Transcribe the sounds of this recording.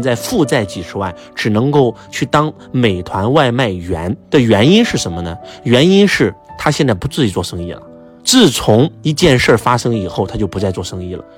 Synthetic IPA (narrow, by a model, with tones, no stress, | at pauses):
nt͡sa˥˧ɪfu˥˧t͡sa˥˩ɪt͡ɕi˨˩ʂɻ̩˧˥wa̰˥˩ɪʈ͡ʂɻ̩˨˩nɤ˧˥ŋko˥˩˧ʊt͡ɕʰy˥˩t̪ɑ˥ŋ | me˨˩ɪt̪ʰwa˧˥nwa˥˧ɪma˥˩ɪɥɛ˧˥nd̪̥ə˨ɥɛ˧˥ni˥nʂɻ̩˥˩ʂə˧˥nmə˧nə̰˩ɥɛ˧˥ni˥nʂɻ̩˥˩t̪ʰa˥ɕ̬jɛ˥˧nt͡sa˥˩ɪpu˧˥t͡sɹ̩˥˧˩i˧˥t͡swɔ˥˩ʂɤ˥ŋḭ˥˩lə̰˩ | t͡sɹ̩˥˩t͡sʰʊ˧˥ŋi˧˥t͡ɕjɛ˥˧nʂə˞˥˧fa˥ʂɤ˥ŋi˨˩xo˥˩ʊt̪ʰa˥t͡ɕjo˥˩ʊpu˧˥t͡sa˥˧ɪt͡swɔ˥˩ʂɤ˥ŋi˥˩lə̰˩